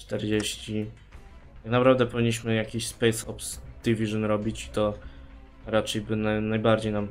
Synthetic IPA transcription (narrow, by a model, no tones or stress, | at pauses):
t͡ʂt̪ɛɾd͡ʑeɕt͡ɕi | t̪aknapɾavd̪ɛpɔvʲiɲːiɕ̬mɘjakʲiɕspɛjsɔ̰psd̪̥ʲivʲiʐɨnɾɔbʲit͡ɕi̥t̪ɔ | ɾat͡ʂɛjbɘnanajbaɾd͡ʑejnam